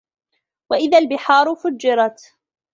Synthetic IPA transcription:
waʔɪðalbɪħɑːɾˤʊfʊd͡ʒːɪɾˤɑt̪

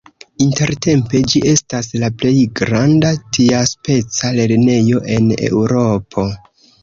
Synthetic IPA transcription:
inte̞ɾte̞mpe̞d͡ʒiʔe̞staslaple̞jɡɾandatʰiaspe̞t͡sale̞ɾne̞jo̞ʔe̞ne̞̰wɾo̞pʰo̞

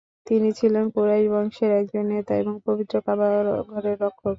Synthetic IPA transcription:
t̪init͡ɕʰilenkoɾaiɾbɔŋʃeɾɛk̚d͡ʑonːet̪aeboŋpobit̪ːɾokabaɡʱɔɾeɾːɔkʰːob

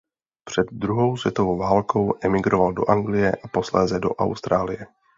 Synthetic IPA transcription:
pr̝̥ɛd̪̚dɾuɦo̞wsvjɛt̪o̞vowvaːlko̞wʔɛmɪɡɾovaldo̞̰ʔaŋɡlɪjɛ̰ʔapo̞slɛːzɛdo̞̰ʔa̰wst̪ɾaːlɪjɛ

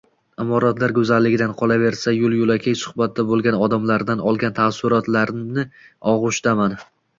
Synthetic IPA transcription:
ɪmɒɾat̪laɾɡɵzalːɪɡʲɪd̪anqʰɒlˠave̞ɾsajʊlˠjʊlˠakʲʰejsʊ̥hbat̪̚ːd̪abolˠɡʲanɒd̪amlaɾd̪anɒlˠɡʲant̪ʰasʊɾɒt̪laɾnɪɒʁʊʃt̪aman

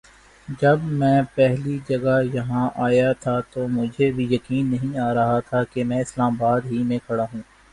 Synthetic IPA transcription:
d͡ʒɐbmɛ̃ːpɛɦlid͡ʒɐɡajɐɦãʔaːjat̪ʰat̪omʊd͡ʒʱebʱijɐkiːnːɐɦĩaːɾɐɦat̪ʰakemɛ̃ːɪslaːmabaːd̪ɦimẽkʰɐɽaɦũː

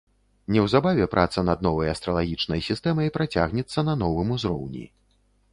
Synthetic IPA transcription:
nʲɛwzabavʲɛpɾʔa̰t̪sɐnɐd̪̚nɔvɐjɐst̪ɾɐlˠaɣʲit͡ʂnɐjsʲist̪ɛmɐjpɾat͡sʲa̰ɣnʲɛt̪sːɐnɐnɔvɨmuzɾɔ̰wnʲḭ

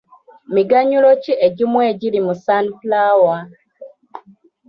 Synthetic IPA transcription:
miɡaɲulocieɟimweɟiɾimusanplawa

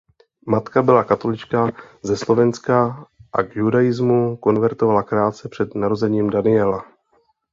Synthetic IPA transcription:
mat̪kabɪlakat̪o̞lɪt͡ʃkaːzɛslo̞vɛnskaʔaɡjudajɪzmuko̞nvɛɾt̪o̞valakɾaːt͡sɛpr̝̥ɛd̪naɾo̞zɛɲiːmdanɪɛla

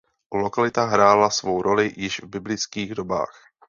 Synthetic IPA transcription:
lokalɪt̪aɦɾaːlasvo̞wɾolɪjɪʒvbɪblɪt͡skiːɣdoba̰ːx

